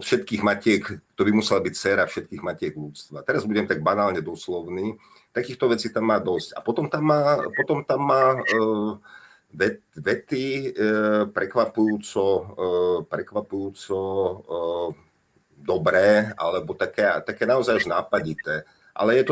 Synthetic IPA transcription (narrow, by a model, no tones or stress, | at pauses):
ɔt̪fʃɛt̪kiːɣmacɪɛkkt̪ɔbimusɛlabict͡sɛːɾafʃɛt̪kiːɣmacɪɛɡʎut͡st̪ʋat̪ɛɾazbuɟɛmt̪aɡ̚banaːlɲɛd̪ɔslɔʊniː | t̪akiːxt̪ɔʋɛt͡siːt̪amːaːd̪ɔsca̰pɔt̪ɔmt̪amːaːpɔt̪ɔmt̪amːaː | ʋɛt̪ʋɛt̪i | pɾɛkʋapujuːt͡sɔ | pɾɛkʋapujuːt͡sɔ | d̪ɔbɾɛːʔa̰lɛbɔt̪akɛt̪akɛːnaɔzajaʒnaːpaɟit̪ɛː | ʔa̰lɛjɛt̪ɔ